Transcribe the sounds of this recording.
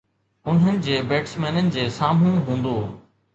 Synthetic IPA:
ʊn̤ənɪ̆d͡ʑeːbeːʈsmeːnənɪ̆d͡ʑeːsaːm̤ũɦũːnd̪oː

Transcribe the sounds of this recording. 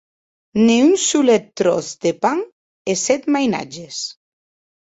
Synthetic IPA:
niunsulɛt̪ːɾo̰θd̪epaŋ | esɛt̪majna̰d͡ʒes

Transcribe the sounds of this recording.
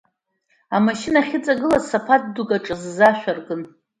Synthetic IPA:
amaʃɪnaχʲɪt͡sʼaɡɨlazsapʰat̚dukʼaʈ͡ʂʼɨzːaʃᶣʷarɡʼɨn

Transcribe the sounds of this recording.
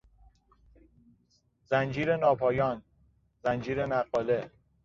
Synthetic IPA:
zænd͡ʒiːɾenɒːpʰɒːjɒːn | zænd͡ʒiːɾenæɢɒːle̞

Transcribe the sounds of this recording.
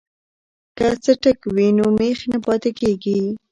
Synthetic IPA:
kat͡səʈəkwinomexnapɑt̪ɪkeɡi

